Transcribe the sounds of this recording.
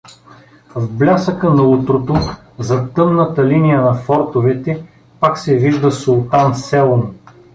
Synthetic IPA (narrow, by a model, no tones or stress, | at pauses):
vblʲasəkənɐut̪ɾot̪o | zɐt̪ɤmnət̪ɐlinijənɐfɔɾt̪ovɛt̪ɛ | paksɛviʒd̪əsulˠt̪ansɛlˠom